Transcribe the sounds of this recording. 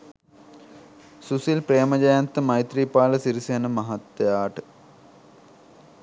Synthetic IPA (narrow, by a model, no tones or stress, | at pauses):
susilpɾeːmɐd͡ʑɐjant̪əmɐjt̪riːpaːləsiɾisenəmɐɦat̪ːejaːʈə